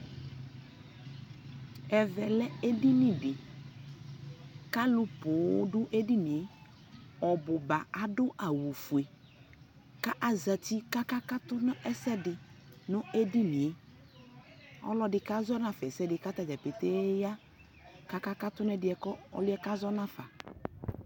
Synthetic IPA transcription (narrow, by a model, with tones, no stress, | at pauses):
ɛ˨vɛ˨lɛ˦e˦di˦nĩ˦dɪ˨ | ka˦lʊ˦pʊ˨˦dʊ˦ʔe˦di˦nĩ˨e˦ | ɔ˨bʊ˨ba˨a˦dʊ˦ʔa˨wu˨fu˨e˨ | ka˦ʔa˦za˨ti˦ka˦ka˦ka˦tʊ˦nʊ˦ɛ˦sɛ˦dɪ˨nʊ̃˦e˦di˦ni˨e˨ | ɔ̰˦lɔ˦dɪ˨ka˦zɔ˦na˨fɛ˨sɛ˦dɪ˨ka˦t̪a˨d͡ʒɛ˨pɪ˨te˦ja˦ | ka˦ka˦ka˦t̪ʊ˦n˦ɛ˦dɪ˦ɛ˨kɔ˦ɔ̰˦lʊ˦ɛ˦ka˦zɔ˦nã˦fa˨